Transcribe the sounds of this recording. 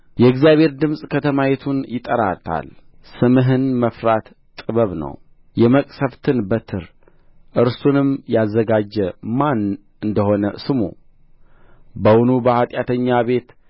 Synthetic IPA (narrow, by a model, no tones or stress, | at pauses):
jɛɨɡzijaβhe̞ɾd̪ɨmsʼkʰət̪ʰəmajɛt̪ʰunjɪt̪ʼəɾat̪ʰa̰l | sɨmɨɦɨnməfɾat̪ | t̪ʼɨβəβnə̰w | jɛməkʼsəft̪ʰɨnbət̪ʰɨɾ | ʔɨɾsunɨmjazːəɡad͡ʒːɛman | ʔɨnd̪əho̞nəsɨmṵ | bəwʊnubəhat̪ʼjat̪ʰəɲːaβe̞t̪